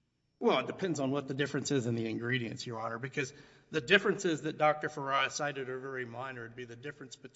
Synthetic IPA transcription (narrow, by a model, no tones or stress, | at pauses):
wɛlˠət̚d̥ɨpʰɛ̃ndzn̩wʌt̪̚ðɨdɪfɹɨ̃nsɪzɨ̃nðiɨ̃nɡɹiɾiɨ̰̃nsjɨɔɾə˞bɨkʰʌz | ðɨdɪfɹɨ̃nsɪzðɨt̚d̥ɑk̚tə˞fə˞aɪɨsaɪɾɨɾ̚ə˞vɛɹimãɪ̃nə˞d̚biðɨdɪfɹɨ̃nsb̥ɨtʰ